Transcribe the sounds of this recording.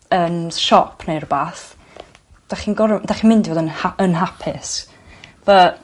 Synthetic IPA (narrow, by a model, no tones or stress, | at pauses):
ənʃɔpʰneɨrbaːθ | d̥aχinɡɔɾdaχinmɪndivoːdənaənɦapʰɪs | və